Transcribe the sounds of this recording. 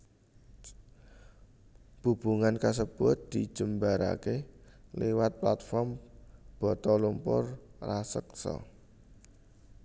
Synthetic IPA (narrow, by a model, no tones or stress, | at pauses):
b̥ṳb̥uŋankas̬əb̥ʊ̤t̪̚d̪̥id̥ʒ̥ə̤mbaɾa̰keliwat̪̚plat̪̚fɔrmb̥ɔ̤t̪ɔlumpʊ̰rrasəksɔ̰